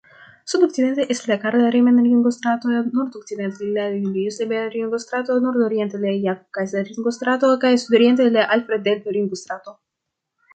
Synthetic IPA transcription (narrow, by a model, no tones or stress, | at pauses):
sud̪ɔksid̪ɛnt̪eʔeslekaɾleɾemenɾiŋɡost̪ɾat̪onɔɾd̪ɔksid̪ɛnt̪elilad̪ulijuslebenɾiŋɡost̪ɾat̪onoɾd̪oɾjɛnt̪elejakkaseɾiŋɡost̪ɾat̪okajesud̪oɾjɛnt̪eleʔalpɾed̪elpeɾiŋɡost̪ɾat̪o